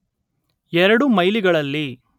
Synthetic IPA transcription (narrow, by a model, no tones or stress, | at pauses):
ɛɾɐɽumɐjliɡɐɭɐlːi